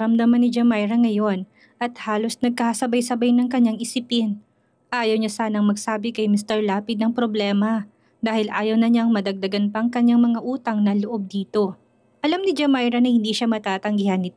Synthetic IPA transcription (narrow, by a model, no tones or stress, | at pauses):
ɾɐmd̪ɐmanɪd͡ʒɐmajɾɐŋɐjo̞n | ʔɐt̪̚haːlo̞snɐɡ̚kɐhɐsɐbajsɐbajnɐŋkɐɲaŋɪsɪpɪn | ʔaːjɐwɲasaːnɐŋmɐɡsaːbɪkɐjmɪst̪ɛɹlaːpɪd̪̚nɐŋpɾoblɛːmɐ | d̪aːhɪlʔaːjɐwnɐɲaŋmɐd̪ɐɡ̚d̪ɐɡanpɐʔɐŋkɐɲːaŋmɐŋaʔuːt̪ɐŋnɐloʔo̞b̚d̪iːt̪o̞ | ʔɐlamnɪd͡ʒɐmajɾɐnɐhɪ̃nd̪iʃamɐt̪aːt̪ɐŋɡɪhanːɪt̪